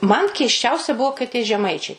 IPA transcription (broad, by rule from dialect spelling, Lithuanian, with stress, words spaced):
mɐn kʲɛɪsʲˈt͡ʃʲɛʊsʲɛ ˈbuɔ kɐɪ tʲiɛ ʒʲɛˈmɐɪt͡ʃʲɛɪ kɐlʲ